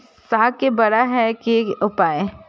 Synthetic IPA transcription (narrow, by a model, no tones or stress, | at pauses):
saːkebɐɾaɦɛkeʊpaːe